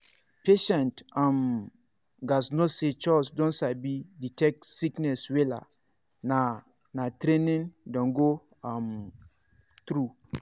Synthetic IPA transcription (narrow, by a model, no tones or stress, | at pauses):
peʃɛ̃ntãm | ɡasnoset͡ʃɔsdɔ̃nsabiditɛk̚siknɛswela̰ | na | natɾẽnĩndɔ̃nɡo | am | t̪ɾu